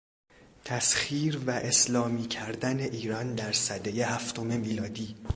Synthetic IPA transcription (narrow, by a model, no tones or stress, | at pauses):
t̪ʰæsxiːɾvæʔeslɒːmiːcʰæɾd̪æneʔiːɾɒnd̪æɾsæd̪ejehæft̪o̞me̞miːlɒːd̪iː